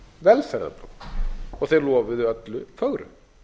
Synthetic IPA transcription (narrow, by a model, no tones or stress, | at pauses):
vɛlfɛɾða̰pɾuwɔɣθejɾlɔːvɪðʏœt̪lʏfœɣɾʏ̰